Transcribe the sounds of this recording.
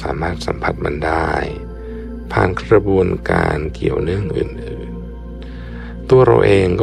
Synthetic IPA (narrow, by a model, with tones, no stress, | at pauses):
saː˩˦maː˥˩t̪̚sa̰˨˩˦mpʰa˧˥t̪̚ma˧ndaː˥˩j | pʰaː˧˩nkʰɾa˧bu˧ənka̰ː˧nki˨˩əwnɯ˥˩əŋʔɯː˨˩nʔɯː˨˩n | t̪u˧ɐɾa̰˧wʔeː˧ŋkɔ˥